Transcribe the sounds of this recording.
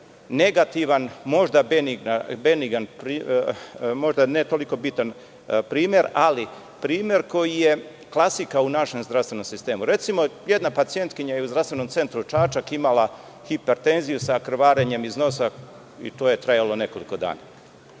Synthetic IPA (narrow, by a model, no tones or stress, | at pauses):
ne̞ɡat̪iʋanmo̞ʒd̪abeniɡnabe̞niɡanpɾi | mo̞ʒd̪anet̪o̞liko̞bit̪an | pɾiːmje̞ɾali | pɾiːmje̞ɾko̞jije̞ | klˠasikaunaʃe̞mzd̪ɾafst̪ʋeno̞msist̪e̞ːmuɾe̞t̪simo̞je̞d̪napat̪sije̞nt̪kiɲajeuzd̪ɾavst̪ʋe̞nomt̪se̞nt̪ɾut͡ʃaːt͡ʃakimala | xipe̞ɾt̪e̞nzijusakɾ̩ʋaːɾeɲe̞mizno̞sa | ḭt̪oːje̞t̪ɾajalo̞ne̞ko̞liko̞d̪a̰ːna̰